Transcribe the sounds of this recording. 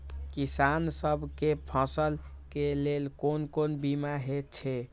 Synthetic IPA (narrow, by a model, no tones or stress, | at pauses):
kisansəbʱkepʰə̃səl | kelelkonkonbimaɦet͡ʃʰe